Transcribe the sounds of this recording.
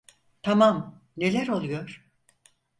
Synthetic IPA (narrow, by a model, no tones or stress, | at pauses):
t̪ʰamam | ne̞lʲæɾo̞lˠujoɾ̥